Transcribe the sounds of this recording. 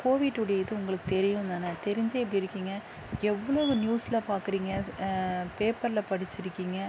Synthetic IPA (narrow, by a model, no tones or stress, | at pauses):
koːʋɪʈːʊɽɐjɐðɯʊŋɡɐɭɯkːɯt̪ɛɾɪjʊ̃nd̪aːnɐt̪ɛɾɪɲd͡ʒɐɛp̬ːɽiɪɾɯkːiːŋɡɐ | ɛʋːɐɭoːɐnjuːsɪlɐpaːɾkɪɾiːŋɡɐ | peːpɐɾɪlɐpɐɽɪt͡ʃːɪɾɯkːiːŋɡɐ